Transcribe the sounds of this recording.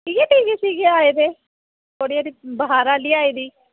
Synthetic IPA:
iːɡeːʈiːʋiːsiːɡeaːeːd̪eː | t̪ʰoːɽijaːd̪iːbəɦaːɾaːliːaːiːd̪iː

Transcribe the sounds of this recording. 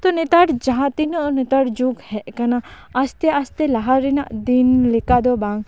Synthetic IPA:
t̪ɔnɛt̪aɽd͡ʒaɦãt̪inɔʔnɛt̪aɽd͡ʒuɡhɛʔkanaː | st̪ɛast̪ɛlaɦaɾɛnaʔd̪inlɛkad̪ɔbaŋ

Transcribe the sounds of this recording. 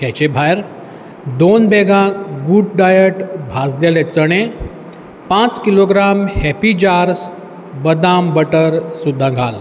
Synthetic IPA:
kɛt͡ɕebʱajɾ | d̪onbeɡʱãɡuɖɖajəʈbʱad͡zd̪elet͡səɽ̃e | pãt͡skiloɡɾamhɛpid͡ʑaɾs | bəd̪ambəʈəɾsud̪ʱːãɡʱal

